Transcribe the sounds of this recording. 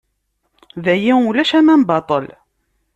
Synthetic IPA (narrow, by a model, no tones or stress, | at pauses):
ðæjiulæʃæmæmbɑt̪ˤəl